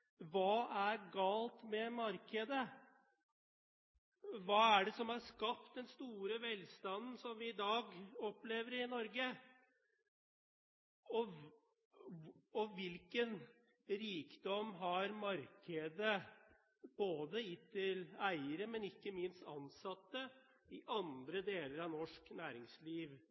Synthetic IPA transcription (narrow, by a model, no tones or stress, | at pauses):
ʋɑːʔæɾɡɑːlt̪mɛmɑɾkəd̪ə | ʋɑːæɖɛsɔmhɑʂkɑp̚t̪̚d̪ɛnst̪uːɾəʋɛlst̪ɑnn̩sɔmʋɪɪd̪ɑːɡɔpleːʋəɾɪnɔɾɡə | ɔ | ɔʋɪlkən | ɾiːkd̪ɔmːɦɑɾmɑɾkʰəd̪ə | b̥oːd̪əɪt̪ʰɪlæɪəɾəmɛnɪkːəmɪnst̪ɑnsɑt̪ːə | ɪʔɑnd̪ɾəd̪eːləɾɑʋnɔʂknæːɾɪŋsliːʋ